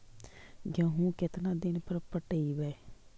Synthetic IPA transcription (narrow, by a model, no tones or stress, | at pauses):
ɡãːɦũːkɪt̪nãːd̪ɪnpəɾpəʈəiːʋɛː